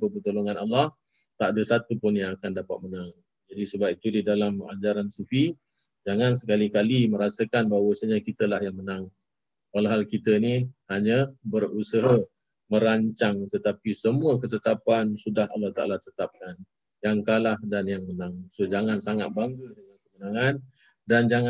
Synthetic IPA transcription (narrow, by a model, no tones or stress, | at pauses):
pəpət̪oloŋãnalːah | t̪aʔdəsat̪upʊnjaŋakandapat̪̚mənaŋ | d͡ʒadisəbap̚it̪udidalama̰d͡ʒaɾansufi | d͡ʒaŋansəkalikalimə̃ɾasəkanbawəsəɲakit̪əlahjaŋmənaŋ | walaɦalkit̪ənihaɲəbərusəɦə | mə̃ɾaɲt͡ʃaŋt̪ət̪apisəmuəkət̪ət̪apansudaha̰lːaht̪a̰a̰lat̪ət̪ap̚kan | jaŋkalahdanjaŋmənaŋsod͡ʒaŋansaŋa̰t̪̚baŋɡədəŋankəmənaŋan | dand͡ʒaŋa